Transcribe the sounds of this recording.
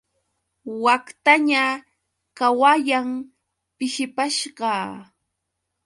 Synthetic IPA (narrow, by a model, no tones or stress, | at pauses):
wakt̪aɲa | kawajam | pɪʃɪpaʃɢɑː